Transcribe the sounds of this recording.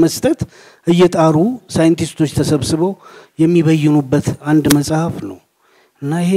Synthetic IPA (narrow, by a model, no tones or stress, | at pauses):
məst̪ʰʼət̪ | ʔɨjːɛt̪ʼaɾusajɨnt̪ʰist̪ʰo̞t͡ʃːt̪ʰəsəβsɨβəwjɛmːiβəjːɪnubːət̪and̪məsʼhəfnəw | ʔɨnːaɪhe